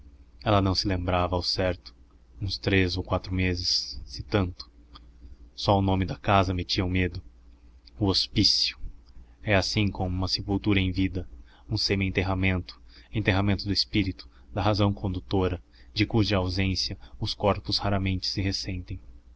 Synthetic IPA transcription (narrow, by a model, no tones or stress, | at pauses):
ɛlɐnɐ̃w̃sɪlẽmbɾavɐːwsɛɾt̪ʊ̥ | ũst̪ɾezowkwat̪ɾʊmezɪsːɪt̪ɐ̃nt̪ʊ̥ | sɔʊnõmɪd̪ɐkazɐmet͡ʃiɐũmed̪ʊ | ʊospisjʊ̥ɛasĩkõmũmɐsepult̪uɾɐẽj̃vid̪ɐ | ũsẽmɪẽt̪eɦamẽnt̪ʊ̥ẽt̪eɦamẽnt̪ʊd̪ʊɪspiɾit̪ʊ̥ | d̪ɐɦazɐ̃w̃kʰõnd̪ut̪oɾɐ | d͡ʒɪkuʒɐawzẽsjɐʊskɔɾpʊzhaɾɐmẽnt͡ʃɪ̥sɪɦesẽnt̪ẽj̃